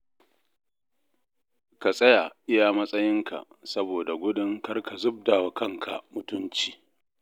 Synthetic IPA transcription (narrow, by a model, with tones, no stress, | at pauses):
ka˨sʼɐ˦ja˨ʔɪ˦ja˨mɐ˦sʼɐ˦jɪ˦ŋkʰa̰˨ʔsɐ˦boː˨da˨ɡʷʊ˦dɪ˦ŋkɐ˦rka˨zʊ˦b̚daː˨wa˨kɐ˦ŋkʰa̰˨mʊ˨tʊ˦nt͡ʃiː˨